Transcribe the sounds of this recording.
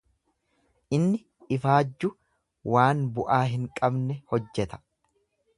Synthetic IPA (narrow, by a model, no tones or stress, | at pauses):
ʔɪnːɪ | ɪfaːd͡ʒːʊ | waːnbʊʔaːɦɪŋkʼɐbnɛhɔd͡ʒːɛt̪ɐ̥